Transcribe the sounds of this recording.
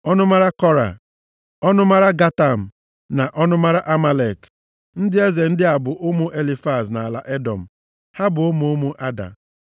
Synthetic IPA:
ɔ˦nʊ˦ma˦ɾa˦kɔ˦ɾa̰˨ | ɔ˦nʊ˦ma˦ɾa˦ɡa˦ta˦˨m̩˨ | na˨ʔɔ˦nʊ˦ma˦ɾa˦ʔa˦ma˦le˨k | n̩˦dɪ˦e˦ze˨n̩˦dɪ˦a˨bʊ˨ʔʊ˦mʊ˦ʔe˦li˦fa˦˨zna˨a˨la̰˨ʔe˦dɔ̰˨m̩˨ | ha˦bʊ˨ʊ˦mʊ˨˦mʊ˦ʔa˦da̰˨

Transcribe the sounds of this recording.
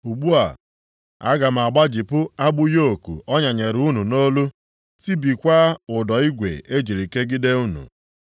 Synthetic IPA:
u˨ɡ͡bu˦a̰˨ | a̰˦ɡa˨m̩˨a˨ɡ͡ba˦d͡ʒi˨pʊ˦a˦ɡ͡bʊ˦jo˦o˨kṵ˨ɔ˦ɲa˨ɲe˨ɾu˦nu˨no˦lu˦ | ti˦bi˨kʷa˦ʊ˨dɔ˨i˦ɡʷḛ˨e˦d͡ʒi˨ɾi˨ke˦ɡɪ˦de˦u˦nṵ˨

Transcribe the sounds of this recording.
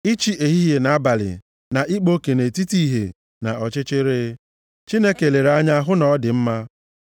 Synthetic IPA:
i˦t͡ʃi˦ʔe˨ɦi˦je˨na˨a˦ba˨lɪ̰˨ | na˨ʔi˦k͡po˦ke˨ne˨ti˦ti˦ɦḛ˨ | na˨ɔ˨t͡ʃɪ˦t͡ʃɪ˦ɾe˦ | t͡ʃi˦ne˦ke˨le˨ɾa˦ɲa˦ɦʊ˦nɔ˨˦dɪ˨m̩˦ma˦

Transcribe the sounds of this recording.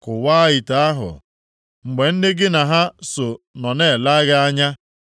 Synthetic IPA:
kʊ˨wa˦ɪ˨ta˨˦a˦ɦʊ̰˨ | ŋ͡m̩˨ɡ͡be˨n̩˦dɪ˦ɡɪ˦na˨ɦa˦so˨nɔ˨ne˦˨la˦ɣa˦a˦ɲa˦

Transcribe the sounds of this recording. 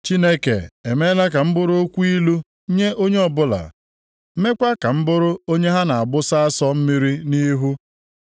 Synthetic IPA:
t͡ʃi˦ne˦kḛ˨e˨me˦la˦ka˨m̩˦bʊ˦ɾʊ˦o˦kʷu˦i˦lu˦ | ɲe˦ʔo˦ɲe˦ɔ˨bʊ˦la̰˨˦ | me˦kʷa˦ka˨m̩˦bʊ˦ɾʊ˦o˦ɲe˦ɦa˦na˨a˨bʊ˦sa˦a˦sɔ˦m̩˦mi˦ɾi˦ni˦ɦu˦

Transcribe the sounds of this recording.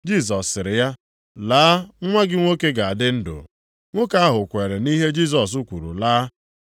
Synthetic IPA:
d͡ʒi˦˨s̬ɔ˨sːɪ˨ɾɪ˨ja˦ | laː˦ŋʷa˦ɡɪ˦ŋʷo˦ke˦ɡa˨a˨dɪ˦n̩˦dʊ̰˨ | ŋʷo˦ka˦a˦ɦʊ˨kʷe˨ɾe˨ni˦ɦe˦d͡ʒi˦˨s̬ɔ˨s̬u˦kʷu˨ɾṵ˨laː˦

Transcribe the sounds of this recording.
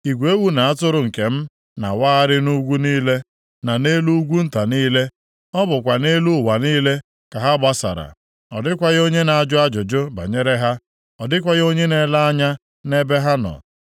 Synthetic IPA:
i˨ɡʷe˦wu˦na˨a˦tʊ˦ɾʊ˨ŋ̩˨ke˨m̩˦ | na̰˨waː˦a˦ɾɪ˦nu˦ɡʷu˦niː˦le˦ | na˨ne˦lu˦ɡʷu˦n̩˦ta˨niː˦le˦ | ɔ˦bʊ˨kʷa˨ne˦lu˦˨wa˨niː˦le˦ | ka˨ɦa˦ba˦sa̰˨ɾa̰˨ | ɔ˨dɪ˦kʷa˦ɣo˦ɲe˦na˨a˨d͡ʒʊ˦a˦d͡ʒʊ˨d͡ʒʊ˦ba̰˨ɲe˦ɾe˦ɦa˦ | ɔ˨dɪ˦kʷa˦ɣo˦ɲe˦ne˦la˦a˦ɲa˦ | ne˦be˦ɦa˦nɔ̰˨

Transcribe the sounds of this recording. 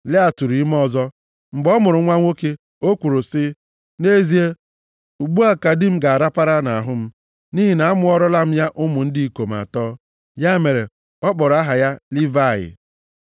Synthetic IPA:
le˦a˨tu˨ɾi˨i˦m˦ɔ˦zɔ˦ | m̩˨ɡ͡bɔ˦mʊ˨ɾʊ˨ŋʷa˦ŋʷo˦ke˦ | o˦kʷu˨ɾʊ˨sɪ˦ | ne˦zi˦e˦ | u˨ɡ͡bu˦a˦ka˨dɪ˦m̩˦ɡa˨a˨ɾa˦pa˦ɾa˦na˨ɦʊ˦m̩˦ | ni˦ɦi˨na˨a˦mʊ˦ɔ˦ɾɔ˦la˦m̩˦ja˦ʔʊ˦mʊ˨n̩˦di˦i˨ko˨m̩˨a̰˨tɔː˦ | ja˦me˨ɾe˨ | ɔ˦k͡pɔ˨ɾa˦ɦa˨ja˦li˦va˦˨jɪ̰˨

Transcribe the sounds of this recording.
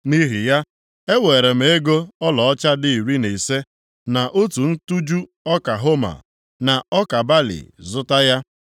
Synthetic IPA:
ni˦ɦi˨ja˦ | e˦weː˨ɾe˨m̩˨˦e˦ɡo˦ɔ˦lɔ˨ɔ˦t͡ʃa˦dɪ˦i˨ɾi˦ne˨se˦ | na˨ʔo˦tu˨n̩˦tu˦d͡ʒu˦ | ɔ˦ka˨ɦo˦ma̰˨ | na˨ɔ˦ka˨ba˦lḭ˨zʊ˦ta˦ja˦

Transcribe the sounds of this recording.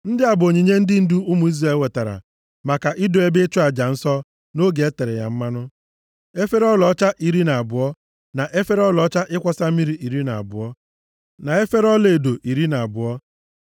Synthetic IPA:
n̩˦dɪ˦a˨bʊ˨o˨ɲe˨ɲe˦n̩˦dɪ˦n̩˦du˦ʊ˦mʊ˨i˦zre˨˦˨lwe˨ta˨ɾa̰˨ | ma˨ka˨ʔɪ˦do˨e˦be˦t͡ʃʊ˦a˨d͡ʒa˨n̩˦sɔ˦ | no˦ɡe˨e˦te˨ɾe˨ja̰˨m̩˦ma˦nʊ˦ | e˦fe˦ɾɔ˦lɔ˦t͡ʃa˦ʔi˨ɾi˦na˨a˨bʊ˨ɔ˦ | na˨ʔe˦fe˦ɾɔ˦lɔ˨˦t͡ʃa˦ʔɪ˦kʷɔ˦sa˦mi˦ɾi˨ʔi˨ɾi˦na˨a̰˨bʊ˨ɔ˦ | na˨e˦fe˦ɾɔ˦le˨e˨do˨ʔi˨ɾi˦na˨a˨bʊ˨ɔ˦

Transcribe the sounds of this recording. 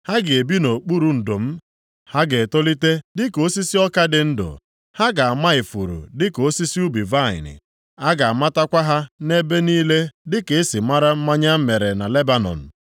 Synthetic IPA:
ha˦ɡɪ˨e˨bi˦no˨k͡pu˦ɾu˨n̩˨do˨m̩˦ | ha˦ɡe˨to˦li˦te˦dɪ˦ko˦si˦si˦ɔ˦ka˦dɪ˨n̩˦dʊ̰˨ | ha˦ɡa˨a˨ma˦ɪ˨fṵ˨ɾṵ˨dɪ˦ko˦si˦si˦u˦bi˨va˦˨ɪ̰˨nɪ̰˨ | a˦ɡa˨a˨ma˦ta˦kʷa˦ɦa˦ne˦be˦niː˦le˦dɪ˦ke˨ɪ˦sɪ˨ma˦ɾa˦m̩˦ma˦ɲa˦m̩˦me˨ɾe˨na˨le˦ba˦nɔ̰˨n̩˨

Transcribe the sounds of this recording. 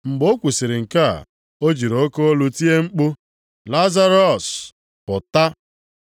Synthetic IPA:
ŋ͡m̩˨ɡ͡bo˦kʷu˨si˨ɾɪ˨ŋ̩˨ka̰˦˨ | o˦d͡ʒi˨ɾo˨˦ko˦o˦lu˦ti˦e˦ŋ͡m̩˦k͡pʊ˦ | la˦za˦ɾɔ˨s | pʊ˨ta˦

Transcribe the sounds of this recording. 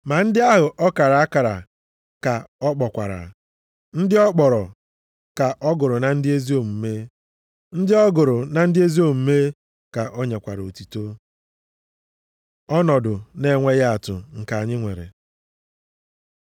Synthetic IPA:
ma˨n̩˦dɪ˦a˦ɦʊ˨ʔɔ˦ka˨ɾa˨a˦ka˨ɾa̰˨ | ka˨ɔ˦k͡pɔ˨kʷa̰˨ɾa̰˨ | n̩˦dɪ˦ɔ˦k͡pɔ˨ɾɔ˨ | ka˨ʔɔ˦ɡʊ˨ɾʊ˨na˨n̩˦dɪ˦e˦zi˦o˦m̩˨me˦ | n̩˦dɪ˦ɔ˦ɡʊ˨ɾʊ˨na˨n̩˦dɪ˦e˦zi˦o˦m̩˨me˦ | ka˨ʔo˦ɲe˨kʷa˨ɾo˨ti˨to˦ | ɔ˦nɔ˨dʊ˨ne˨ŋʷe˦ɣa˦a˨tʊ̰˨ŋ̩˨ka˨a˨ɲɪ˦ŋʷḛ˨ɾḛ˨

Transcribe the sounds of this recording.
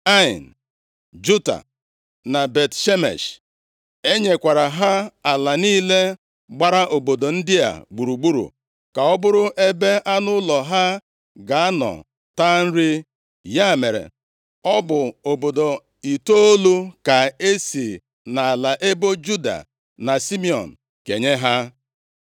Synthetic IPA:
a˦ɪ˨n˨ | d͡ʒu˦ta̰˨ | na˨be˨tʃe˦mḛ˨ʃ | e˦ɲe˨kʷa˨ɾa˨ɦa˦a˨la˨niː˦le˦ | ɡ͡ba˦ɾa˦ʔo˨bo˨do˨n̩˦dɪ˦a̰˨ɡ͡bu˨ɾu˨ɡ͡bu˦ɾṵ˨ | ka˨ɔ˦bʊ˦ɾʊ˦ʔe˦be˦ʔa˦nʊ˦lɔ˨ɦa˦ | ɡa˨a˦nɔ̰˨ | ta˦n̩˦ɾi˦ | ja˦˨me˨ɾḛ˨ | ɔ˦bʊ˨o˨bo˨do˨ | i˨to˦o˦lu˦ka˨e˦si˨ | na˨a˨la˨ʔe˦bo˦d͡ʒu˦da̰˨ | na˨si˦mi˨ɔ̰˨n̩˨ | ke˨ɲe˦ɦa˦

